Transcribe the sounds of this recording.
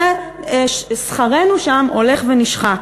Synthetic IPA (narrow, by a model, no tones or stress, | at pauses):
sχaʁe̞nuʃamo̞le̞χveniʃχa